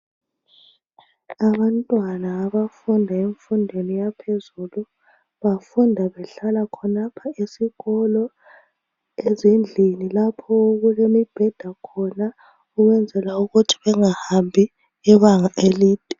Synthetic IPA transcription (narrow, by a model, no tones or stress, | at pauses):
aβantʼwanaːβafundʱaeɱfundʱenijapʰezulu | βafundʱaβɛɬalakʰɔnapʰaesiɣɔlɔ | ezend͡ɮʱinilapʰɔoɣulemib̥ʱɛd̥ʱakʰɔna | uɣwɛnd͡zʱɛlauɣutʰi̥βɛŋahambʱi | iβaŋaʔeliːd̚ʱʼɛ